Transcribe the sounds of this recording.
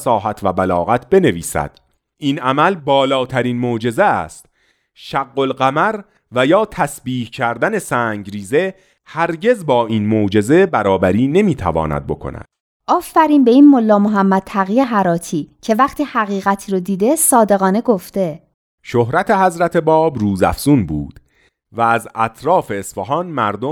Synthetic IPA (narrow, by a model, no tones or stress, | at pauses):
sɒːɦæt̪ʰvæbælɒ̰ːɣæt̪ʰbe̞ne̞vḭːsæ̰d̪̥ | iːnæmælbɒːlɒːt̪ʰæɾiːnmod͡ʒe̞zeæ̰st̪ | ʃæɡːolɢæmæɾ | væjɒːt̪ʰæsbiːhcʰæɾd̪æne̞sæːŋɟɾiːze̞ | hæɾɟe̞zbɒːʔiːnmod͡ʒe̞ze̞bæɾɒːbæɾiːne̞miːt̪ʰæ̰vɒ̰ːnæ̰d̪̚bo̞̰kʰo̰næ̰d̪̥ | ʔɒːfːæɾiːmbe̞iːnmo̞lːɒːmoɦæmːæd̪̚t̪ʰæɣijeɦæɾɒːt̪ʰiːcʰe̞væχt̪ʰiːhæɣiːɣæt̪ʰiːɾod̪iːd̪e̞sɒːd̪e̞ɣɒːne̞ɡo̞ft̪e̞ | ʃoɦɾæt̪ʰe̞hæzɾæt̪ʰe̞bɒːbruːzæ̰fz̥unbṵːd̪̥ | vææzæt̪ʰɾɒːfe̞ːsfoɦɒːnmæɾd̪o